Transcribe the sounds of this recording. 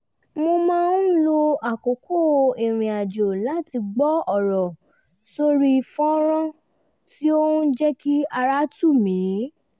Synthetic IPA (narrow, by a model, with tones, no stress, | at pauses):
mo˧mãː˦˧n˦lo˧a˨ko˨˦ko˦˨e˨ɾ̃ĩ˨a˨d͡ʒo˨la˦ti˧ɡ͡bɔ˦ɔ˦˨ɾɔ˨ | so˦ɾi˦˧fɔ̃˦ɾ̃ã˦ | ti˦o˦hũ˦d͡ʒɛ˦ki˦a˧ɾa˦tu˦˨mĩ˨˦